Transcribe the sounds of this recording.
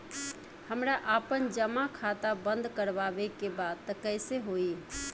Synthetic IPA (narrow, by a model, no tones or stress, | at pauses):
həmɾaʔapənd͡ʒəmakʰat̪abənd̪ʱkəɾbabekebad̪t̪ːəkəɪseɦoi